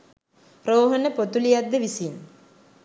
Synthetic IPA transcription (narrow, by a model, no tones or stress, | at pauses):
roːɦənəpot̪ulijad̪ːeʋisin